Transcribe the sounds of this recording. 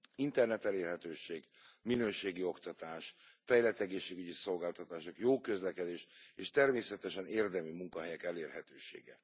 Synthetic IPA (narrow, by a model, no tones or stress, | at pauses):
int̪ɛrnɛt̪ɛleːrɦɛt̪øːʃeːɡminøːʃeːɡio̞kt̪ɒt̪aːʃfɛjlɛt̪ːɛɡeːʃːeːɡyɟiso̞lɡaːlt̪ɒt̪aːʃo̞kjoːkø̞zlɛkɛd̪eːʃeːʃt̪ɛrmeːsɛt̪ɛʃɛneːrd̪ɛmymuŋkɒɦɛjɛkɛleːrɦɛt̪øːʃḛːɡɛ̰